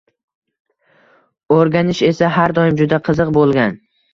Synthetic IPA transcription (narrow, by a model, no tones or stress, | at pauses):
oɾɡʲanɪʃe̞saɦaɾd̪ɒɪmd͡ʒʊd̪aqʰɨzɨqbolˠɡʲan